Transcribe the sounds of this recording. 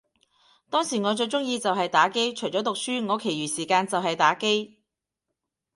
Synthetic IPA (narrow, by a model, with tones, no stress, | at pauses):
t̪ɔː˥ŋsiː˨˩ŋɔː˨˧t͡ʃɵ˧ɥt͡ʃʊ˥ŋjiː˧t͡sɐ˨wɦɐ˨jt̪aː˨˥ke˥jt͡ʃʰɵ˨˩ɥt͡sɔ˨˥t̪ʊ˨k̚syː˥ŋɔː˨˧kʰe˨˩jɥyː˨˩siː˨˩kaː˧nt͡sɐ˨wɦɐ˨jt̪aː˨˥ke˥j